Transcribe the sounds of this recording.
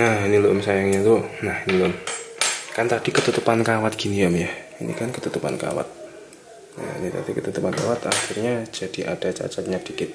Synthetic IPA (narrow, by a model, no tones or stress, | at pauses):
nahiniloʊmsajaŋɲat̪unahinilom | kant̪ad̥ikət̪ut̪upankawat̪̚ɡ̥iniəmjainḭkankət̪ut̪upa̰nka̰wa̰t̪̚ | na̰nit̪a̰dikət̪ut̪upanka̰wat̪axirɲad͡ʒad̥iʔa̰d̥at͡ʃa̰t͡ʃat̪̚ɲad̥i̥kɪt̪̚